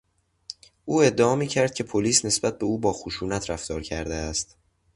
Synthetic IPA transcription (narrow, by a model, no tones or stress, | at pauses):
ʔuːe̞d̪ːeɒːmiːcʰæɾd̪̚cʰe̞pʰoliːsne̞sbæt̪̚be̞uːbɒːxoʃuːnæt̪ʰɾæft̪ɒːɾcʰæɾd̪eæst̪